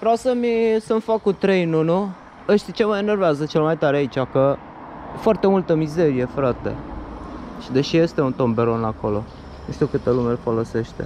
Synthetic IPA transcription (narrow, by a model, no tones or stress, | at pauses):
vɾawsəmisəmfakːut̪ɾe̞jnunu | əʃt̪it͡ʃe̞məene̞rveazət͡ʃe̞lmajt̪aɾeait͡ʃakə | foart̪e̞mult̪əmize̞ɾije̞fɾat̪e̞̰ | ʃid̪e̞ʃije̞st̪e̞unt̪o̞mbe̞ɾo̞nako̞lo̞ | nuʃt̪uwkɨt̪elumelfo̞lo̞se̞ʃt̪e̞̰